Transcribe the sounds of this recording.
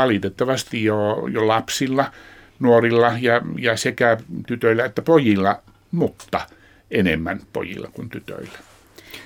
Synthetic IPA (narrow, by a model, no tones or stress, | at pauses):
ɑlit̪et̪ːɑʋɑst̪ijjojolɑpsilːɑ | nuorilːɑjɑjɑsekæt̪yt̪øilːæet̪ːæpojilːɑ | mut̪ːɑ | enḛmːænpo̰jḭlˑːɑ̰kunt̪yt̪ø̰ilːæ̥